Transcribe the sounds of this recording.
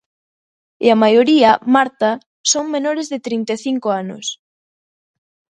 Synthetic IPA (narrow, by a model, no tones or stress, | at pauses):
ɪamajoɾiɐmaɾt̪a | soŋmenoɾezðɪt̪ɾint̪eθiŋkoanʊ̰s